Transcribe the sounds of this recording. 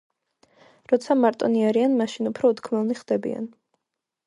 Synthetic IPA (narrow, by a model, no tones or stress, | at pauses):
ɾɔt̪sʰamaɾt̪ʼɔniaɾianmaʃinupʰɾɔut̪kʰmɛlˠniχd̪ɛbḭa̰n